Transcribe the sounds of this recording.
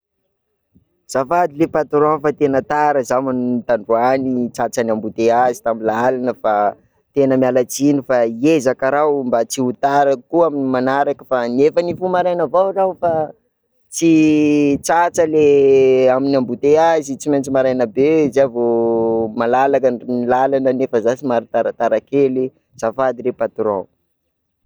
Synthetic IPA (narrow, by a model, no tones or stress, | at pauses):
z̥afad̪ilepat̪uɾanfat̪enət̪aɾəzamanunit̪aɳɖ͡ʐuanit͡sat͡sanambut̪eazi̥t̪amilaalanəfa | t̪enəmjalat͡sinifaiezakaɾawmbat͡siut̪aɾəkuaminimanaɾakəfanefənifumaɾajnəvawrawfa | t͡si | t͡sat͡səleaminambut̪eazit͡siment͡simaɾajnəbezavomalalakanilalanənefəzasimaɾit̪aɾat̪aɾakeli | z̥afad̪iɾepat̪uɾow